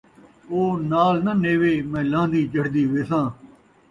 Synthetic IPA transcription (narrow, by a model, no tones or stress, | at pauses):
oːnaːlnəneːʋeːmɛ̃ːlãːnd̪iːd͡ʒəɽd̪iːʋeːsãː